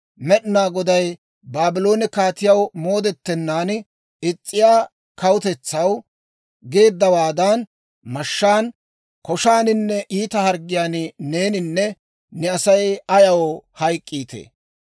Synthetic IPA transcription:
mɛɗɪnaːɡɔd̪ɐj | baːbɪlo̞ːnɪkaːt̪ɪjɐwmo̞ːd̪ɛt̪ːɛnːaːn | ɪt͡sʼːɪjaː | kɐwʊt̪ɛt͡sːɐw | ɡe̞ːd̪ːɐwaːd̪ɐn | mɐʃːaːn | kɔʃaːnɪnːɛʔiːt̪ɐhɐɾɡɪjaːnne̞ːnɪnːɛ | nɛɐsɐjɐjɐwɔhɐjkʼːiːt̪ḛː

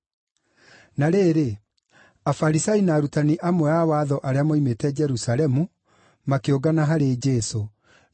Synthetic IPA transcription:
naɾeːɾe | afaɾisainaːɾutaniʔamwɛawaːðɔʔaɾeamɔimetɛd͡ʒɛɾusalɛmu | makeoɡanaɦaɾed͡ʒɛso

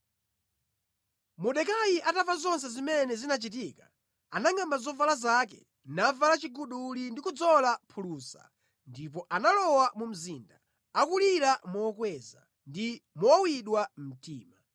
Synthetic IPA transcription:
muɗɛkajiʔatavazɔns̬ɛzimɛnɛzinat͡ʃit̬iːka | anaŋambazɔvalazakɛ̰ | navalat͡ʃiɡuɗulindikud͡zɔlapʰuluːsa̰ | ndip̬ɔʔanalɔwamum̩ziːnda | akuliɾamɔːkwɛza̰ | ndimɔwiɗwam̩tḭːma

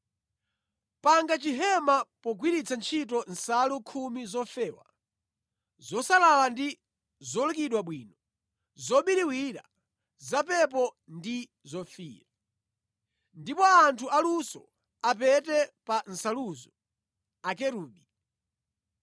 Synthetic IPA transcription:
paŋɡat͡ʃiɦɛmapɔɡwiɾit͡sʰant͡ʃʰitɔn̩salukʰumizɔfɛːwa̰ | zɔsalalandi | zɔlukiɗwaɓwiːnɔ | zɔɓiɾiwiɾa̰ | zapɛp̬ɔ | ndi | zɔfiːɾa | ndipɔantʰualusɔ̰ | ap̬ɛtɛpan̩saluːzɔ | ak̬ɛɾuːɓi

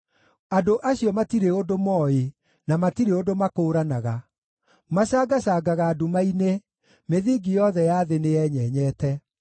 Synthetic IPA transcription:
adoʔaɕiɔmatiɾeodomɔːe | namatiɾeodomakoːɾanaɣa | maɕaːɡaɕaːɡaɣaːdumaine | meðiːɡijɔðɛjaðenejɛɲɛɲɛːtɛ

